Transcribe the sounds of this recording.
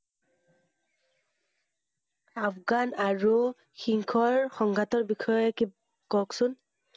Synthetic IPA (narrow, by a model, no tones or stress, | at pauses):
apɡanaɹu | xiŋkʰɔɹxɔŋɡʱatɔɹbikʰɔjɔjki | kɔksun